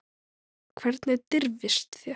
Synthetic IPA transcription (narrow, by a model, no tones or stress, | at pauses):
kʰvɛɾt̪nɛðt̪ɪɾvɪst̪θjɛ